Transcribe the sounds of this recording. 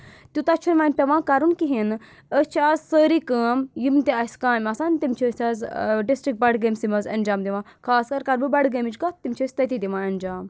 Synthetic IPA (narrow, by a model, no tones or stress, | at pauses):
t̪ʲut̪ɐt͡ʃʰunʋaːnʲpʲɛʋãːkɐɾunkiɦin | əst͡ʃʰaːzsəːɾikəːmjimt̪iɐsʲkaːmʲɐsaːnʲt̪imt͡ʃʰisʲʰaːzɖisʈɾik̚ʈ̚bɐɽɡeːmʲsimɐzɐnʲd͡ʒaːmd̪iʋãːkʰaːskɐɾkɐɾbɨbɐɽɡemit͡ʃkat̪imʲt͡ʃʰiəːsʲt̪ɐt̪id̪iʋãːɐnd͡ʒaːm